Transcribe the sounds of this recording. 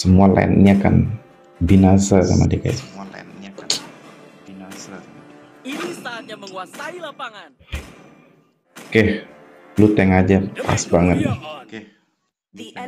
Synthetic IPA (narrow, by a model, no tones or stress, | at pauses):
səmuala̰ɪ̰n̰ɲaka̰n | binasaka̰ma̰dika̰d͡ʒa | kɛh | lut̪ɛŋad͡ʒapa̰sbaŋət̪̚nɪh